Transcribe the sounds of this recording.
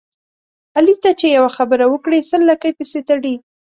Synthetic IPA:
alit̪at͡ʃejawaxabəɾawəkɽesəlːakajpiset̪aɽi

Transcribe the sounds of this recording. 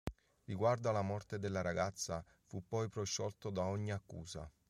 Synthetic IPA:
riɡward̪oalamɔrt̪ed̪elːaɾaɡat̪sːa | fupːɔjpɾoʃːɔlt̪od̪aoɲːiakːṵːza̰

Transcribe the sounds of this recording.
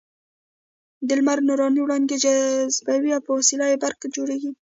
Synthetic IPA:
d̪ɪlmaɾnuɾɑniwɽɑnd̪ed͡ʒazbawiawpəwasilɑjebaɾkad͡ʒoɽeɡi

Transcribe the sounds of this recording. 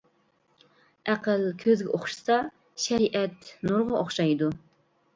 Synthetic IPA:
æqəlkʲʰøzɡʲɛʔoχʃɨ̥sɑ | ʃɛɾiʔɛt̪nuɾʁɑʔoχʃɑjd̪u

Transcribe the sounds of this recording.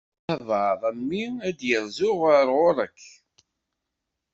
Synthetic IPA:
ævəðˤæmːiæd̪jəɾzʊʁəɾʁʊɾˤəkː

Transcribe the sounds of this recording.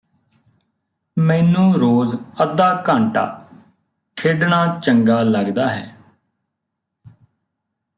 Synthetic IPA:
mɛːnũːɾoːzəd̪aːkãːɳʈa̰ː | kʰeːɖɳaːt͡ʃəŋɡaːləɡd̪aːɦɛː

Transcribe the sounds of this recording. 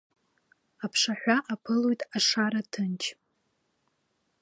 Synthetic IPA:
apʰʂaħᶣʷaʔapʰɨlojtʼaʂaɾatʰɨnt͡ʃʰ

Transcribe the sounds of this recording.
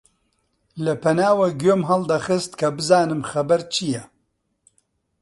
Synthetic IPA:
lɐpʰɐnaːwɐɡoːmɦɐld̪ɐxɨst̪kʰɐbɨzaːnɨmxɐbɐɾt͡ʃʰijɛ

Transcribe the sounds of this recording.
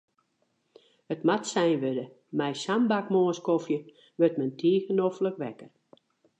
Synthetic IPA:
ətmatsɛjnʋødə | mɛjsambakmoənskofjə | ʋøtmɛntʰiəɣənofləkʋɛkər

